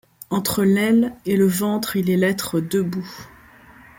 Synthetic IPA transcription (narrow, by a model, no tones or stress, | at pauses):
ɑ̃t̪χəlɛleləvɑ̃t̪χilɛlɛt̪χəd̪əbu